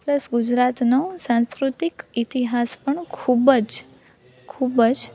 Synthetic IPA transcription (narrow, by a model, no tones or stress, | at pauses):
pləsɡud͡ʒɾat̪nosãnskɾut̪ikit̪iɦaspəɳkʰubəd͡ʒ | kʰubəd͡ʒ